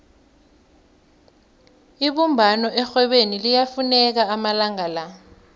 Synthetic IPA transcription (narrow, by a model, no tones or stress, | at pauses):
iɓumbʱanɔʔɛxwɛɓenilijafunɛk̬aamalaŋala